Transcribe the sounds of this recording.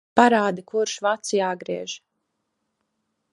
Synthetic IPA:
paɾaːd̪ikuɾʃvat̪siaːɡɾiɛʒ

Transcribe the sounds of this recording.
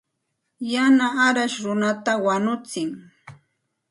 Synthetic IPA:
janaːɾaʃɾʊnat̪awanʊt͡sɪŋ

